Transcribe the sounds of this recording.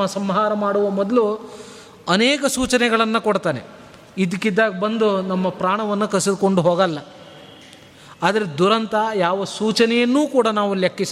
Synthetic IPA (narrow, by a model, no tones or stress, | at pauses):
ɐsɐmɦaːɾɐmaːɽuʋɐmɔd̪ɐlu | ɐnɛːkɐsuːt͡ʃɐnɛɡɐɭɐnːɐkoɽt̪aːne | id̪ikːid̪ːaːɡɐbɐnd̪unɐmːɐpɾaːɳɐʋɐnːɐkɐsid̪ukoɳɖuɦoːɡɐlːɐ | aːd̪ɐɾed̪uɾɐnt̪ɐjaːʋɐsuːt͡ʃɐnɛjɐnːuːkuːɽɐnaːʋuljɐkːis